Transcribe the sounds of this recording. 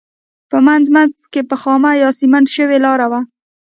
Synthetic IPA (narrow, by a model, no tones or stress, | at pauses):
pəmand̪manzkepəxɑmajɑsimaɳɖʃəwelɑɾawa